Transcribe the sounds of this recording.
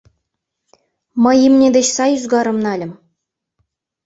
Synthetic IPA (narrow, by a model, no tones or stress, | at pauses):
mɤ̆jimnʲedʲeɕsɑjyzɡɑɾɤ̆mnɑlʲɘ̆mʲ